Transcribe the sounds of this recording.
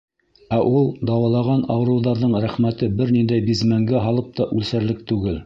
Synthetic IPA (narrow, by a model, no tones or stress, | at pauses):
æʔulˠd̪ɑwɑlˠɑʁɑnɑwɤ̆ɾɤ̆wðɑɾðɤɴɾæχmæt̪ɘbɘɾnind̪æjbizmæŋɡæɦɑlˠɤp̚t̪ɑʔʉlsæɾlɘk̚t̪ʉɡɘl